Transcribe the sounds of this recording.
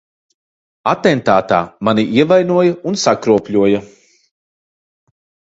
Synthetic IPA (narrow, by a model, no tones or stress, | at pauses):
at̪ɛnt̪aːt̪aːmaniʔiɛvajnuɔjaunsakɾuɔpʲʎʲuɔja